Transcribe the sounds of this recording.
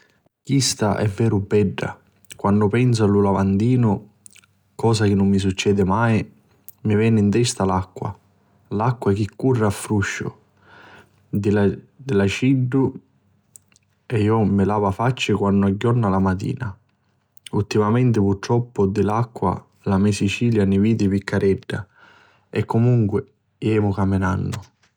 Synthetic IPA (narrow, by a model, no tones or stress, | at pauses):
kist̪a̰ʔɛ̰vːɛːɾʊbɛɖːa̰ | kwanːʊpɛns̬ʊalulavand̪iːnʊ | kɔːsak̟ɪnːʊmːis̬ut͡ʃːɛːd̪ɪmaj | mivɛːnɪint̪ɛst̪alakːwa̰ | lakːwaɛk̟ɪkːurːaafːɾuʃːʊ̰ | d̪ɪ | d̪ɪlat͡ʃiɖːʊ | ɛiɔmɪlaːvafat͡ʃːɪkwanːʊaɟːɔrnalamat̪ḭːna | ult̪ːimamɛnt̪ɪpuɾt̪ɾɔpːʊd̪ɪlakːwa̰ | lamɛsit͡ʃiːljanɪviːd̪ɪpikːaɾʔɛɖːa | ɛkːʊmuŋkwɪ | ɛːmʊkamɪnanːʊ